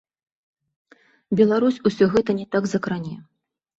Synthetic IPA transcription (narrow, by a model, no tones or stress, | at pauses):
bʲɛlˠaɾusʲusʲɔɣɛt̪ɐnʲɛt̪aɡzɐkɾanʲɛ